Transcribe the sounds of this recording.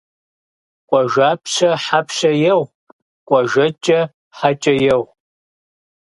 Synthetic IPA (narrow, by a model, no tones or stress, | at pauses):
kʷʼɔʒaːpʰʃɐħapʰʃɐjɛw | kʷʼɐʒɐt͡ʃʼɐ | ħat͡ʃʼɐjɛw